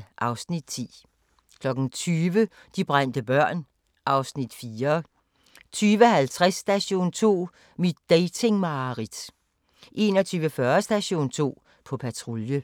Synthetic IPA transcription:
ʔɑ̈ʊsnid̥̚t͡sʰḭː | kʰlɒ̽ɡ̥n̩t͡sʰyːʋə | d̥ib̥ʁan̰d̥əb̥ɶɐ̰n | ʔɑ̈ʊsnid̥fiːɐ | t͡sʰyːʋəɦælt͡sʰʁasːd̥æɕo̝̰ːnt͡sʰo̝̰ː | mid̥ːeɪt͡sʰe̝ŋmɑ̈ʁid̥ | ʔe̝nɒt͡sʰyːʋəfɶːɐsd̥æɕo̝̰ːnt͡sʰo̝̰ː | pʰɒ̽pʰæt͡sʰʁo̝ljə

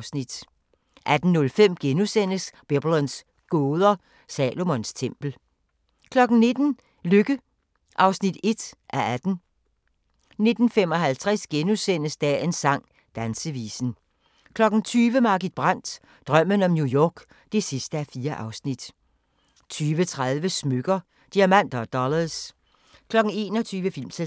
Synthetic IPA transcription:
snid̥ | ʔæd̥n̩nːɔ̽lfem̰ɡ̥enusen̰əsb̥eb̥lɒns | ɡ̥oːðˠɐ | sɛːlo̝mɔnst͡sʰem̰b̥l̩ | kʰlɒ̽ɡ̥n̩ne̝d̥n̩ | løɡ̥ə | ʔɑ̈ʊsnid̥e̝d̥ʔæɐæd̥n̩ | ne̝d̥n̩fem̰ɒ̽ɦælt͡sʰʁɛsɡ̥enusen̰əsd̥ɛ̰ensɑ̈ŋ̰ | d̥ænsəʋḭːsn̩ | kʰlɒ̽ɡ̥n̩t͡sʰyːʋəmɑ̈ːɡ̥id̥̚b̥ʁan̰d̥ | d̥ʁɶm̰ənɒ̽mnjujɒːɡ̥ | d̥e̝sisd̥əæfiːɐʔɑ̈ʊsnid̥ | t͡sʰyːʋət͡sʰʁaðˠʋəsmøɡ̥ɐ | d̥iæmæn̰d̥ɐd̥ɒlɐs | kʰlɒ̽ɡ̥n̩e̝̰ːnɒt͡sʰyːʋəfil̰msʰe

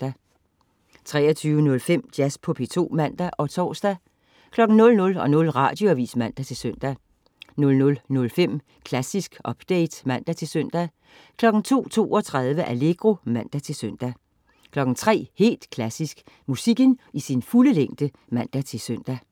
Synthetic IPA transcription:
d̥æ | t͡sʰʁɛ̰ːɐt͡sʰyːʊənɔ̽lfem̰d̥jæspʰɔ̽pʰe̝t͡sʰo̝̰ːmæn̰d̥æʔɒ̽t͡sʰɒ̰ːsd̥æ | kʰlɒ̽ɡ̥n̩nɔ̽lnɔ̽lɒ̽nɔ̽lʁɑ̈ːd̥jo̝æʋḭːsmæn̰d̥æt͡sʰe̝lsøn̰d̥æ | nɔ̽lnɔ̽lnɔ̽lfem̰ | kʰlæsisɡ̥ʔɒ̽b̥d̥eɪd̥mæn̰d̥æt͡sʰe̝lsøn̰d̥æ | kʰlɒ̽ɡ̥n̩t͡sʰo̝̰ːt͡sʰo̝̰ːɒ̽t͡sʰʁað̞ˠʋəʔæle̝ɡ̥ʁo̝mæn̰d̥æt͡sʰe̝lsøn̰d̥æ | kʰlɒ̽ɡ̥n̩t͡sʰʁɛ̰ːhe̝̰ːld̥kʰlæsisɡ̥ | musiɡ̥ənisinfuləleŋ̰d̥ə | mæn̰d̥æt͡sʰe̝lsøn̰d̥æ

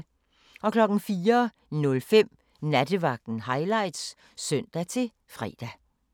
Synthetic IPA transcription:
ɒ̽kʰlɒ̽ɡ̥n̩fiːɐ | nɔ̽lfem̰ | næd̥əʋɑ̈ɡ̥̚d̥n̩ɦɑ̈ɪlɑ̈ɪd̥s | sœn̰d̥æt͡sʰe̝ | fʁɛ̰ːd̥æ

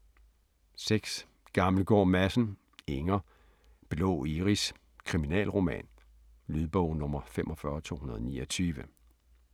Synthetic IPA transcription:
seɡ̥s | ɡ̥ɑ̈ml̩ɡ̥ɒ̰ːmæsn̩ | eŋɐ | b̥elɔ̰ːiʁis | kʰʁiminɛ̰ːlʁo̝mɛ̰ːn | lyðˠb̥ɔ̽ʊ̰nɔ̽mɐfemʔɒ̽fɶɐt͡sʰo̝̰ːhunɐðˠnḭːɐ̽t͡sʰyːʋə

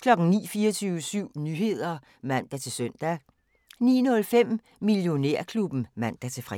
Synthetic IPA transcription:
kʰlɒ̽ɡ̥ŋ̩nḭːfiːɐɒt͡sʰyːʊəsyʊ̰nyɦe̝ð̞̰ˠɐ | mæn̰d̥æt͡sʰe̝sœn̰d̥æ | nḭːnɔ̽lfem̰ | miljo̝neɐ̰kʰlub̥n̩mæn̰d̥æt͡sʰe̝fʁɛ

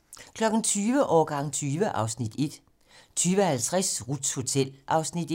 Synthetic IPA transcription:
kʰlɒ̽ɡ̥n̩t͡sʰyːʋəʔɒːɡ̥ɑ̈ŋ̰t͡sʰyːʋəʔɑ̈ʊsnid̥e̝d̥ | t͡sʰyːʋəhælt͡sʰʁasʁud̥sho̝t͡sʰel̰ʔɑ̈ʊsnid̥

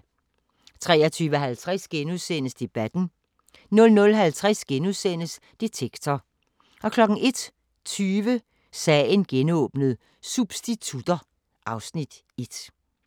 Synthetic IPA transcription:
t͡sʰʁɛːɐt͡sʰyːʋəɦælt͡sʰʁasɡ̥enuðˠsen̰əsd̥e̝b̥æd̥n̩ | nɔ̽lnɔ̽lɦælt͡sʰʁasɡ̥enuðˠsen̰əs | d̥e̝t͡sʰeɡ̥t͡sʰɒ | ʔɒ̽kʰlɒ̽ɡ̥ŋ̩ʔe̝d̥ | t͡sʰyːʋə | sɛːenɡ̥enɔ̰̽ːb̥nəð̞̩ˠ | sub̥sd̥it͡sʰud̥ɐ | ʔɑ̈ʊsnid̥ | e̝d̥

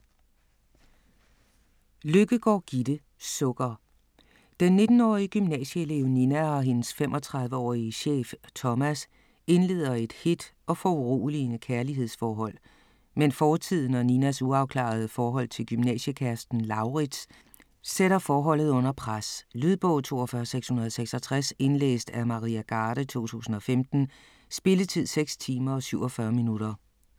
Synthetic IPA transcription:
løɡ̥əɡ̥ɒ̰ːɡ̥id̥ə | sɔɡ̥ɐ | d̥enːe̝d̥n̩ɒ̰ːiəɡ̥ymnɛ̰ːɕəe̝le̝ʊ̰ninæɒ̽ɦe̝nəsfemʔɒ̽t͡sʰʁɑ̈ðˠʋəɒ̰ːiəɕḛːft͡sʰɒ̽mæs | e̝nle̝̰ːð̞̰ˠɐe̝d̥hed̥ɒ̽fɒuʁo̰ːlinəkʰæɐliɦe̝ð̞̰ˠsfɒːɦɒ̽l̰ | menfɒːt͡sʰið̰ˠn̩ɒ̽ninæsuɑ̈ʊkʰlɑ̰̈ð̞ˠəfɒːɦɒ̽l̰t͡sʰe̝lɡ̥ymnɛ̰ːɕəkʰæɐsd̥n̩lɑ̈ʊʁids | seɾɐfɒːɦɒ̽l̰ð̞̩ˠɔ̽n̰ɐpʰʁaslyðˠb̥ɔ̰̽ʊt͡sʰo̝̰ːɒfɶːɐseɡ̥shunɐð̞̩ˠɒseɡ̥sɒ̽t͡sʰʁase̝nlḛːsd̥æmɑ̈ʁiæɡ̥ɑ̈ːɾ̥ət͡sʰo̝̰ːt͡sʰṵːsn̩ɒ̽femd̥n̩ | sb̥e̝lət͡sʰið̞̰ˠseɡ̥st͡sʰiːmɐɒ̽syʊɒfɶɐminuɾ̥ɐ

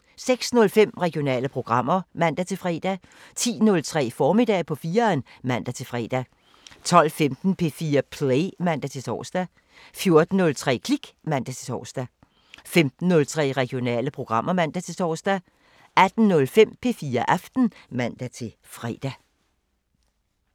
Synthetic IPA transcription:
seɡ̥snɔ̽lfem̰ʁɛɡ̥io̝nɛ̰ːləpʰʁo̝ɡ̥ʁɑ̈m̰ɐmæn̰d̥æt͡sʰe̝fʁɛ̰ːd̥æ | t͡sʰḭːnɔ̽lt͡sʰʁɛ̰ːfɒːmid̥ɛ̰ːpʰɒ̽fiːɐnmæn̰d̥æt͡sʰe̝lfʁɛ̰ːd̥æ | t͡sʰɒ̽l̰femd̥n̩pʰe̝fiːɐpʰleɪmæn̰d̥æt͡sʰe̝t͡sʰɒ̰ːsd̥æ | fjo̝ɐd̥n̩ːɔ̽lt͡sʰʁɛ̰ːkʰliɡ̥mæn̰d̥æt͡sʰe̝̥t͡sʰɒ̰ːsd̥æ | femd̥n̩ːɔ̽lt͡sʰʁɛ̰ːʁɛɡ̥ijo̝nɛ̰ːləpʰʁo̝ɡ̥ʁɑ̈m̰ɐmæn̰d̥æt͡sʰe̝t͡sʰɒ̰ːsd̥æ | æd̥n̩nɔ̽lfem̰pʰe̝fiːɐʔæfd̥n̩mæn̰d̥æt͡sʰe̝ | fʁɛ̰ːd̥æ

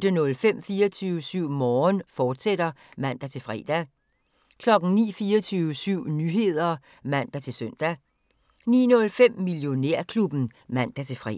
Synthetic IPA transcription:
d̥ənɔ̽lfem̰fiːɐt͡sʰyːʊəsyʊ̰mɒːnfɒːd̥sed̥ɐmæn̰d̥æt͡sʰe̝lfʁɛ̰ːd̥æ | kʰlɒ̽ɡ̥n̩nḭːfiːɐt͡sʰyːʊəsyʊ̰nyɦe̝ð̞̰ˠɐ | mæn̰d̥æt͡sʰe̝lsøn̰d̥æ | nḭːnɔ̽lfem̰miljo̝ne̝ɐ̰kʰlub̥n̩mæn̰d̥æt͡sʰe̝fʁɛ̰

